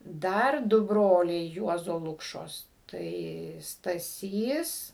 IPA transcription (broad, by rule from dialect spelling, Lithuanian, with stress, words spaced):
ˈdɐr ˈdʊ ˈbroːlʲɛɪ ˈjuɔzoː ˈlˠʊkʃoːs ˈtɐɪ stɐˈsʲiːs